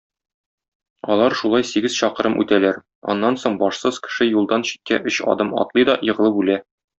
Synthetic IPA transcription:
ɒ̰lˠɑɾʃulˠɑjsiɡɘz̥ɕɒqɤ̆ɾɤmʔʉ̰t̪ælæɾ | ɒ̰nːɑnsoɴbɒʃsɤz̥kɘ̥̆ʃɘjulˠd̪ɑnɕi̥t̪̚kæ̰ʔɵɕɒ̰d̪ɤmɒ̰t̪lˠɤjd̪ɒjɤ̆ʁɤlˠɤpbʉlæ

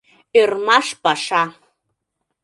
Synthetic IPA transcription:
irmaʂpʼaʂa

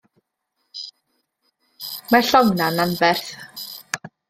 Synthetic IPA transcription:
maɬɔwnananvɛrθ

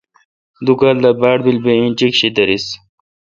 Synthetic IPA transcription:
d̪ukaːld̪abaːɽbilbeĩnt͡ɕikɕid̪ɐɾis

